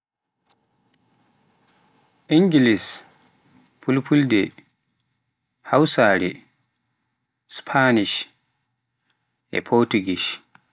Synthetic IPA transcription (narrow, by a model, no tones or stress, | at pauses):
ʔiŋɡilis | pʰulpʰuldɛ | hawsaɾɛ̰ | spʰaniʃ | ʔɛ̰pʰɔɾtuɡiʃ